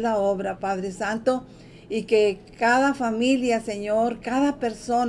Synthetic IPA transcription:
laoβɾapaðɾesant̪o | ikekaðafamiljaseɲoɾkaðapeɾso

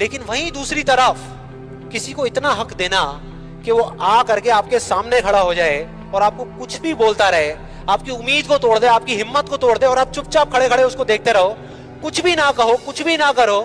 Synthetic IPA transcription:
leːkɪnʋɐɦĩd̪uːsɾit̪ɐɾəf | kɪsikoɪt̪naɦɐkd̪eːna | keʋoaːkɐɾkeaːp̚kesaːmnekʰɐɽaɦod͡ʒaːe | ɔːɾaːp̚kokʊt͡ʃʰbʱiboːlt̪aɾɐɦeː | aːp̚kiʊmːiːd̪kot̪oːɽd̪ẽaːp̚kiɦɪmːət̪̚kot̪oːɽd̪ẽɔːɾaːb̚t͡ʃʊp̚t͡ʃap̚kʰɐɽekʰɐɽeʊskod̪eːk̚t̪eɾɐɦoː | kʊt͡ʃʰbʱinakɐɦokʊt͡ʃʰbʱinakɐɾoː

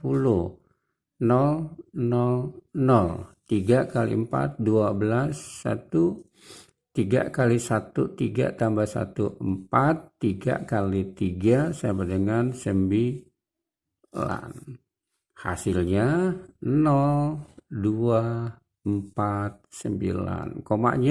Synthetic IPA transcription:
pulʊh | nɔlnɔlnɔlt̪iɡakalḭəmpa̰t̪̚duabəlasːa̰t̪u | t̪iɡa̰kalisat̪ut̪iɡa̰t̪ambasa̰t̪uʔəmpat̪ːiɡa̰kalit̪iɡasabadəŋansəmbi | la̰n | ha̰silɲa | nɔldua | əmpat̪̚səmbila̰nkoma̰ʔɲa

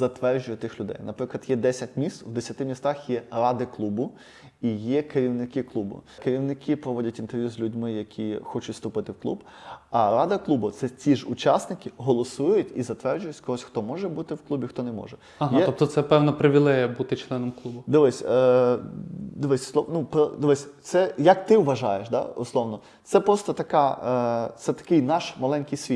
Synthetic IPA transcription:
zɐt̪ʋɛrd͡ʒʊjɛt̪ɪxlʲʊd̪ɛ̰jnɐpɾɪklˠɐd̪jɛd̪ɛsʲɐt̚ʲmʲist̪wd̪esʲɐt̪ɪmʲist̪ɑxjɛrɑd̪ɪklˠubʊ | ijɛkeɾʲiwnɪkɪklˠubʊ̰keɾʲiwnɪkʰɪpɾɔʋɔdʲɐtʲint̪eɾʲʋʲjuzʲlʲʉdʲmɪjɐkʲʰixɔt͡ʃʊtʲst̪ʊpɪt̪ɪwklˠṵb | ɐɾɑd̪ɐklˠubʊt̪sɛt͡sʲiʒʊt͡ʃɑsnɪkʲɪɦɔlˠɔsujʊtʲizɐt̪ʋɛrd͡ʒʊjʊtʲkɔɦɔsʲxt̪ɔmɔʒɛbut̪ɪwklˠubʲixt̪ɔnɛmɔ̰ʒɛ | ɐɦɛɔp̚t̪ɔt̪sɛpɛwnɐpɾɪʋʲiɪlˠɛjɐbut̪ɪt͡ʃlˠɛnɔmklˠubʊd̪ɔʋɛsʲ | d̪ɔʋɛsʲsˠɔnupɔd̪ɔʋɛsʲt̪sɛjɐkt̪ɪwʋɐʒɑ̰jeʃd̪ɑ̰ʊslˠɔʋnɔ | t̪sɛpɾɔst̪ɔt̪ɐkɑ | t̪sɛt̪ɐ̥kɪjnɑʃmɐlˠɛnʲkɪjsʲʋʲit̪

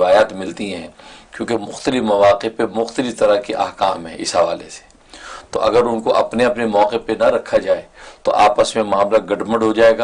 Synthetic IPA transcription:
ɪʋaːjaːt̪mɪlt̪iɦɛ̃ːkjõːkemʊxt̪əlɪfmɐʋaːqepemʊxt̪əlɪft̪ɐɾakiʔa̰ːɦkaːmɦɛ̰̃ːʔɪ̰sɦɐʋaːlese̥ | t̪o̰ʔɐ̰ɡəɾʊnkoʔɐ̰pneɐpnemɔːqepenɐɾɐkʰːad͡ʒaːet̪o̰ʔaːpəsmẽmaːmlaɡɐɖmə̃ɳɖɦod͡ʒaːeːɡaː

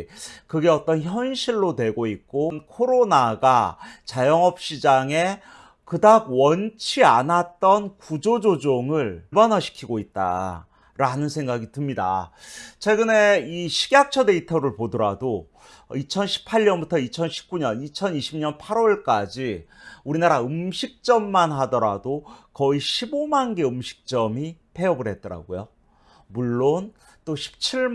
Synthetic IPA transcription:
kɯɡe̞ʌt͈ʌnçjʌnɕʰiɭːodwe̞ɡoik̚k͈onkʰoɾonaɡat͡ɕajʌŋʌp̚ɕ͈id͡ʑaŋe̞ | kɯdaɡ̚wʌnt͡ɕʰianat̚t͈ʌnkud͡ʑod͡ʑod͡ʑoŋɯɭbanʌɕʰi̥kʰiɡoit̚t͈a̰ | ɾanɯnsʰe̞ŋɡaɡitɯmɲida̰t͡ɕʰwe̞ɡɯne̞iɕʰiɡjak̚t͡ɕʰʌde̞itʰʌɾɯɭpodʌɾado | it͡ɕʰʌnɕʰi̥pʰːaɭɲʌnbutʰʌit͡ɕʰʌnɕʰi̥p̚k͈uɲʌnit͡ɕʰʌniɕʰimɲʌnpʰaɾoɭk͈ad͡ʑiuɾinaɾaɯmɕʰik̚t͡ɕ͈ʌmːanɦadʌɾadokʌiɕʰibomanɡe̞ɯmɕʰi̥k̚t͡ɕ͈ʌmipʰe̞ʌbɯɭɦe̞t̚t͈ʌɾa̰ɡojo | muɭːon | t͈oɕʰi̥p̚t͡ɕʰiɭ

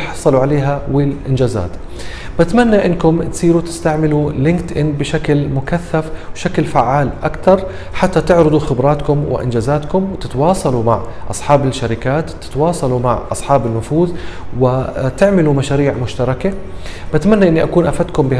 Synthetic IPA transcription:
ħɑsˤːɑluʕaleːɦawɪlʔɪnd͡ʒaːza̰ːt̪ | bat̪manːaʔɪnːkʊmt̪sˤiːɾut̪ɪ̥st̪aʕmɪlulɪŋkt̪ʔɪnbɪʃaklmʊkaθːafwʃaklfaʕːaːlʔakt̪ɑɾˤ | ħat̪ːat̪ɪʕɾɑd̪ˤuxɪbɾˤɑːt̪kʊmwɪ̰ʔɪ̰nd͡ʒaːzaːt̪kʊmwɪt̪ɪ̥t̪wɑːsˤɑluma̰ʕʔɑ̰sˤħɑːbɪlʃːaɾɪkaːt̪tːɪ̥t̪wɑːsˤɑluma̰ʕʔɑ̰sˤħɑːbɪnːʊfuːðwɪt̪ɪʕmɪlumaʃaːɾiːʕmʊʃt̪ɑɾˤɑkabat̪manːaʔɪnːiʔakuːnʔafat̪kʊmbɪ

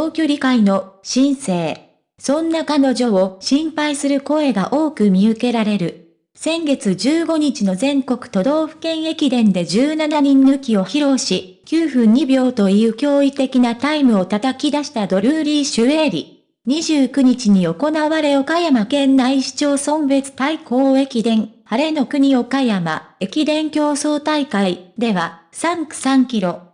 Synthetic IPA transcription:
t̪oːkʲo̞ɾʲikaino̞ɕĩɰ̃se̞ː | sõ̞nːakano̞ʑo̞oɕĩmpaisɨɾɯ̟ko̞e̞ɡaʔo̞ːkɯ̟mʲiɯ̟ke̞ɾaɾe̞ɾɯ̟ | sẽ̞ŋɡe̞t͡sɨd͡ʑɨːɡo̞ɲ̟it͡ɕino̞zẽ̞ŋko̞kɯ̟̥t̪o̞d̪o̞ːɸɯ̟̥kẽ̞ɰ̃e̞kʲid̪ẽ̞nd̪e̞d͡ʑɨːnanaɲ̟ĩnːɯ̟kʲio̞çiɾo̞ːɕi | kʲɨːɸɯ̟̃ɲ̟ːibʲjo̞ːt̪o̞iɯ̟ːkʲo̞ːit̪e̞kʲinat̪aimɯ̟o̞t̪at̪akʲid̪aɕi̥t̪ad̪o̞ɾʲɯːɾʲiːɕɨe̞ːɾʲḭ | ɲ̟iʑɨːkɯ̟ɲ̟it͡ɕiɲ̟io̞ko̞naβaɾe̞o̞kajamakẽ̞nːaiɕi̥t͡ɕo̞ːsõ̞mbe̞t͡sɨ̥t̪aiko̞ːe̞kʲid̪ẽ̞ŋhaɾe̞no̞kɯ̟ɲ̟io̞kajama̰e̞kʲid̪ẽ̞ŋkʲo̞ːso̞ːt̪aikaid̪e̞βa | sãŋkɯ̟̥sãŋkʲiɾo̞

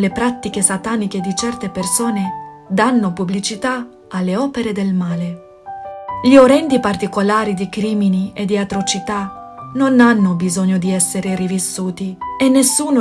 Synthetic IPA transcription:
lepɾat̪ːikesat̪aːniked̪it͡ʃɛrt̪epersoːne | d̪anːopublit͡ʃit̪a | alːeɔːpeɾed̪elmaːle | ʎioɾɛnd̪ipart̪ikolaːɾid̪ikɾiːminied̪ːiat̪ɾot͡ʃit̪a | nonanːobizoɲːod̪iɛsːeɾerivisːuːt̪ienːesːuːno

